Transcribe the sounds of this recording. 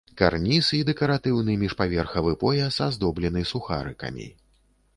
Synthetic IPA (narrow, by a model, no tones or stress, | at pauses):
ka̰rnʲisɨid̪ɛkɐɾat̪ɨwnɨmʲiʂpavʲɛrxɐvɨpɔjɐsazd̪ɔblʲɛnɨsuxa̰ɾɨkɐ̰mʲḭ